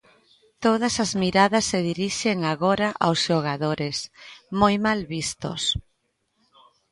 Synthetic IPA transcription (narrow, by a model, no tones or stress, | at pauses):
t̪oð̞asazmiɾaðɐsːeð̞iɾiʃeŋaɣoɾaʔawsʃoɣ̞aðoɾesmojmalβist̪o̰s